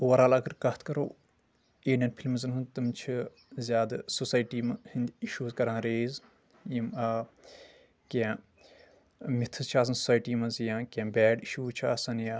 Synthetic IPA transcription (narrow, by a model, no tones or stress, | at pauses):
uʋɐɾaːlɐɡɐɾkɐt̪ʰkɐɾoː | eːɖʲɐnpʰilmzɐnɦund̪t̪ɨmt͡ʃʰi | zʲjaːd̪ɨsusaːjʈiːmɐhind̪ʲiʃuːzkɐɾãːɾeːz | jimɐ | kʲã | mit̪ʰɨzt͡ʃʰaːs̬ɐnsu̥saːjʈiːmɐzjãːkʲãːbɛːɖiʃuːt͡ʃʰa̰ːsɐnja